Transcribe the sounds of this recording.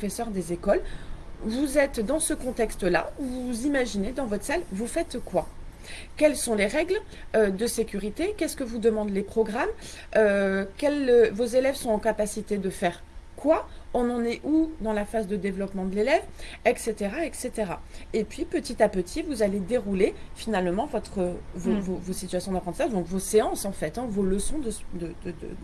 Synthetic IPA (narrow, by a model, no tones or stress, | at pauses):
pɔfɛsœʁd̪ezekɔlvuzɛt̪d̪ɑ̃səkɔ̃t̪ɛkst̪la̰vuzimaʒined̪ɑ̃vɔt̪χsalvufɛt̪kwa | kʲɛlsɔ̃leʁɛɡl | ød̪əsekʲyʁit̪ekʲɛskəvud̪əmɑ̃d̪lepχɔɡʁam | økʲɛlvozelɛvsɔ̃ɑ̃kapasit̪ed̪əfɛʁ | kwa | ɔ̃nɑ̃nɛʔud̪ɑ̃lafazd̪əd̪evlɔpmɑ̃d̪əlelɛvɛkset̪eʁaɛkset̪eʁaepɥipət̪it̪apət̪ʰivuzaled̪eʁulefinalmɑ̃vɔt̪χəvovovosit̪ɥasjɔ̃d̪apχɑ̃t̪isaʒd̪ɔ̃kvoseɑ̃sɑ̃fɛt̪ɛ̃voləsɔ̃d̪əd̪əd̪əd̪ə̰